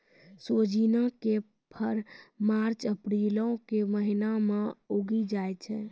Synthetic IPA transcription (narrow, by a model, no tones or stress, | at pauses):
sod͡ʒinake | pʰəɾmaɾt͡ʃəpɾelɔ̃keməɦinameoɡid͡ʒajt͡ʃʰɛ